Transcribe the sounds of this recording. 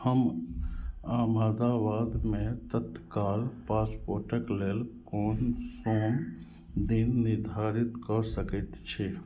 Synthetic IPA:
həm | amaːd̪aʋad̪met̪ət̪kalpaspoɾʈəkleːlkoːnsom | d̪inːiɾd̪ʱaɾit̪kɔsəkɛt̪t͡ʃʰe

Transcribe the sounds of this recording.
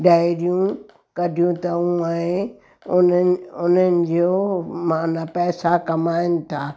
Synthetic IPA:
ɖaiɾijũ | kɐdʱɪjũt̪ɐũaẽ | ʊnəʊnənɪ̆d͡ʑoːmãːnapɛːsakɐmaːɪnɪ̆t̪ʰaː

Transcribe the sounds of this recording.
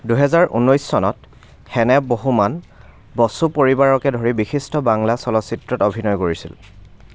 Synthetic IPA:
duɦɛzaɹʔṵnɔjsːɔnɔt | xɛnɛboɦuman | bɔsupoɹibaɹɔkɛdʱoɹibixistɔbaŋlasɔlɔsitɹɔtobʱinɔjkoɹisḭl

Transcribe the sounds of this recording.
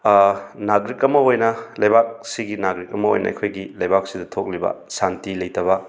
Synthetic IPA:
naɡɾikɐmːɐojnɐlɐjbak̚siɡinaɡɾikɐmːɐo̰jnɐ̰ɐ̰kʰojɡilɐjbak̚sidɐtʰok̚libɐ̰santilɐjtɐβɐ

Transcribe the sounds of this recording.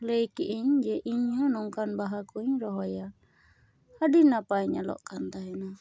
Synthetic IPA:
ləjkiʔiɲd͡ʒɛʔiɲanɔŋkanbaɦakuiɲɾɔɦajal | hadinapaiɲalɔ̰ʔkant̪aɛna

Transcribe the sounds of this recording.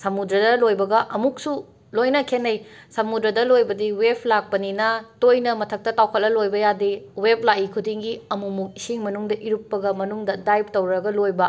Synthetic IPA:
sɐmudɾɐdɐlojbɐɡɐʔɐmuk̚su | lojnɐkʰenɐjsɐmudɾɐdɐlojbɐdiwepʰlak̚pɐninɐtojnɐmɐtʰɐk̚tɐtawkʰɐt̚lɐlojbɐjadiwep̚ʰlaikʰudiŋɡiɐmumuk̚isiŋmɐnuŋdɐʔiɾupːɐɡɐmɐnuŋdɐdajp̚tɐwɾɐɡɐlojbɐ

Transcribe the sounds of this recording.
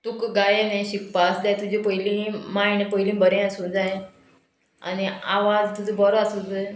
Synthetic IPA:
t̪ukɡajeneɕik̚pasd̪ajt̪ud͡ʑipəjlĩmajnepəjlĩbəɾẽasũd͡zaje | a̰nia̰ʋad͡zt̪ud͡zʱəbɔɾasud͡zə

